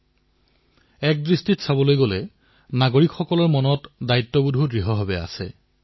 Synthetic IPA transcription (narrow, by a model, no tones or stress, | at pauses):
ɛk̚dɹistitsabɔlojɡolɛ | naɡoɹikxɔkɔlɔɹmɔnɔtdajtːɔbudʱudɹiɦɔɦabɛa̰sɛ̰